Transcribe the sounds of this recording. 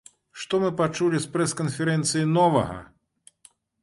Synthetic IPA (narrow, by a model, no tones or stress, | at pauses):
ʂt̪ɔmɨpat͡ʂulʲispɾɛskɐnfʲɛɾɛnt̪sɨjinɔvɐ̰ɣɐ̰